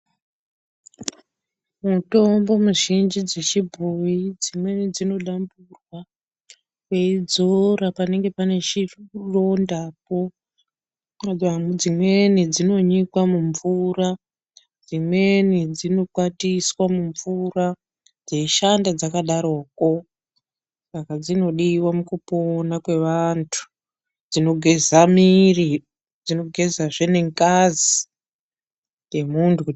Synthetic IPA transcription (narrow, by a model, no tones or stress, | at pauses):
muto̞mbo̞muʒind͡ʒid͡zet͡ʃibʱoid͡zimwe̞nid͡zino̞ɗamburwa | kwe̞id͡zo̞ɾapane̞ŋɡe̞pane̞ʃirro̞ndapo̞ | ad͡zimwe̞nid͡zino̞ɲikwamuɱvura | d͡zimwe̞nid͡zino̞kwatiswamuɱvura | d͡ze̞ʃandad͡zakaɗaɾo̞ːko̞ | sakad͡zino̞ɗiwamukuponakwe̞ʋantʰu̥ | d͡zino̞ɡʱe̞zamiri | d͡zino̞ɡʱe̞zaʐene̞ŋkazi | je̞muntu